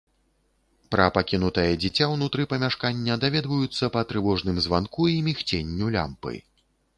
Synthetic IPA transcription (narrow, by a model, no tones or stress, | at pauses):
pɾɐpakʲinut̪ɐjɐd͡zʲit͡sʲawnut̪ɾɨpɐmʲaʂkanʲːɐd̪avʲɛd̪vɐjut̪sːɐpɐt̪ɾɨvɔʐnɨmzvankuimʲixt͡sʲenʲːulʲa̰mpɨ̰j